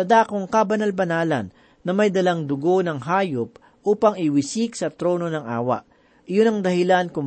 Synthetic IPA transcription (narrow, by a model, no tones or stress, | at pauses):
ɐd̪aːkoŋkɐbɐnalbɐnaːlɐ̰nː | ɐmɐjd̪ɐlaŋd̪ʊɡo̞nɐŋɦaːjop̚ | ʔuːpɐŋɪwɪsiksɐt̪ɾo̞ːno̞nɐŋʔa̰ːwɐ̰ʔ | ʔɪjonɐŋd̪ɐhɪlankʊm